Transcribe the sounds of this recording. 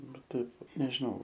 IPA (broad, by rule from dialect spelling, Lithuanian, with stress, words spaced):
ˈbʲɛt ˈtɐɪp nʲɛʒʲɪˈnɐʊ